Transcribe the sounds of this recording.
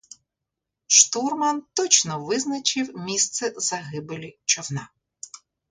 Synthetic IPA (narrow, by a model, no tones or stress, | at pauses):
ʃt̪urmɐnt̪ɔt͡ʃnɔʋɪznɐt͡ʃɪwmʲist̪sɛzɐɦɪbelʲit͡ʃɔwnɑ